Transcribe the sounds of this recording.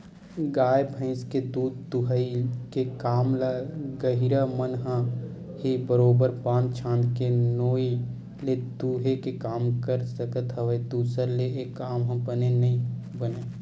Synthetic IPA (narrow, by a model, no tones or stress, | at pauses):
ɡaːjbʱə̃ɪ̃sked̪uːd̪̚t̪uɦəikekaːmlaɡəɦiɾamənɦə̃ | hibəɾoːbəɾpãːnd̪t͡ʃʰãːnd̪kenoːi | led̪uɦekekaːmkəɾsəkət̪ɦəʋəed̪uːsəɾleeːkːaːmɦə̃bənenɐɦĩ | bəne